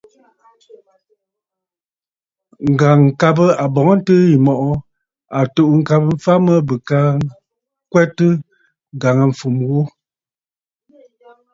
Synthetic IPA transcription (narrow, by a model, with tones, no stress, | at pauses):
ŋ̩˨ɡa˨ŋ̩˨ka˦bə˦a˨bɔ˨ŋə˦n̩˦tə˦ji˨mɔ˨ʔɔ˦ | a˨to˨ʔŋ̩˦ka˦pə˦m̩˦fa˦mə˦bə˨ka˦ | kwɛ˦tɨ˦ | ŋ˨ɡa˨ŋa˨ɱ̩˨fu˨mwu˦